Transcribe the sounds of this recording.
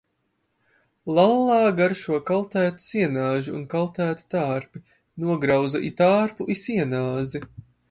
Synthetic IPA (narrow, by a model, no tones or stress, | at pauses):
lˠalˠːɑːɡaɾʃuɔkalˠt̪æːt̪i̥siɛnaːʒuːnkalˠt̪æːt̪i̥t̪aːɾpi | nuɔɡɾawzaʔit̪aːɾpuʔisiɛnaːzi